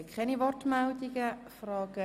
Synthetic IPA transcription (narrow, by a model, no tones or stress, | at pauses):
kχɛniʋɔrtmɛldiɡəfrɑːɡ̥ə